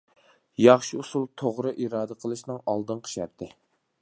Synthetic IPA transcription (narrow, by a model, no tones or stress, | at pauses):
jɑχʃiusulˠt̪ʰoʁɾɨʔiɾɑːd̪əqʰəlˠɨʃnɨŋɑlˠd̪ɨnqʰə̥ʃɛɾt̪ʰːɪ